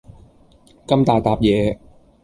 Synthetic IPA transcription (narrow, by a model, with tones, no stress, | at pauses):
kɐ˥mt̪aː˨˩t̪aː˨˧p̚jɛː˨˧